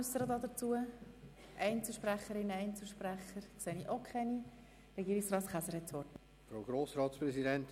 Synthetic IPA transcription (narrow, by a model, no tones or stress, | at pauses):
usəɾəd̪ɑd̪ət͡suə | ʔɛɪnt͡suʃpræχəɾɪnːəɛɪnt͡suʃpɾæχəɾkseːniʔokʰχɛni | rɛɡiːɪksrɑːtχæsəɾhɛtt͡sʋɔɾt | fɾoʊɡɾoːsɾɑːtspɾɛsidɛnt̪